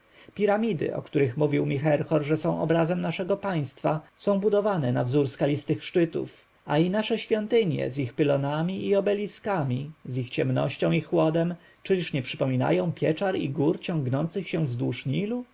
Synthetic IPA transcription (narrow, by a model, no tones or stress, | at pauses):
pʲiɾamʲid̪ɘ̰ʔɔ̰kt̪uɾɘxmuvʲiwmʲixɛɾxɔɾʐɛsɔ̃w̃ɔ̰bɾazɛmnaʂɛɡɔpaj̃st̪fasɔ̃w̃bud̪ɔvanɛnavzuɾskalʲist̪ɘxʂt͡ʂɘt̪ṵf | ainaʂɛɕfʲjɔnt̪ɘɲjɛ̰zixpɘlɔnamʲiʔiɔbɛlʲiskamʲizixt͡ɕɛmnɔ̰ɕt͡ɕɔ̃w̃ixwɔd̪ɛm | t͡ʂɘlʲiʂɲɛpʂɘpɔmʲina̰jɔ̃w̃pʲjɛt͡ʂaɾḭɡuɾt͡ɕɔ̃ŋɡnɔnt̪sɘxɕɛ̃vzd̪wuʂɲilu